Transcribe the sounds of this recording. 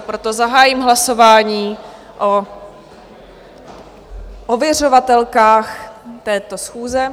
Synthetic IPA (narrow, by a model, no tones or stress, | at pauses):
pɾot̪o̞zaɦaːjimɦlaso̞vaːɲiː | ʔo | ʔovjɛr̝o̞vat̪ɛlkaːxt̪ɛːt̪o̞sxuːzɛ